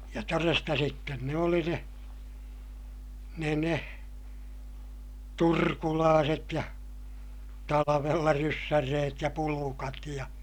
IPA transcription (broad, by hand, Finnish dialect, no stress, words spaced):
jɑ torestɑ sitːen ne oli ne ne ne turkulɑːset jɑ tɑlɑʋelːɑ rysːær reːt jɑ pulukɑt jɑ